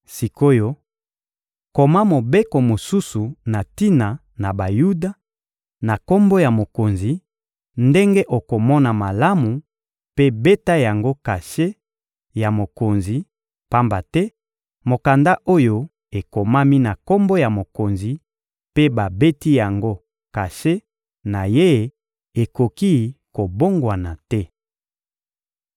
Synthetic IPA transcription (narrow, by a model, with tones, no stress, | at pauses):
si˨ko˦jo˦ | ko˨ma˦mo˨be˦ko˨mo˨su˦su˨na˨ti˦na˨ | na˨ba˨ju˦da˦ | na˨ko˦mbo˦ja˨mo˨ko˨nzi˨ | nde˦ŋɡe˦ʔo˨ko˨mɔ˦na˨ma˨la˦mu˨ | pe˦be˦ta˦ja˨ŋɡo˦ka˨ʃe˦ | ja˨mo˨ko˨nzi˨ | pa˦mba˨tɛ˦ | mo˨ka˨nda˦ʔo˦jo˦ | e˨ko˨ma˦mi˦na˨ko˦mbo˦ja˨mo˨ko˨nzi˨ | pe˦ba˨be˦ti˦ja˨ŋɡo˦ | ka˨ʃe˦ | na˨je˦˨ | e˨ko˨ki˦ko˨bo˦ŋɡwa˨na˨tɛ˦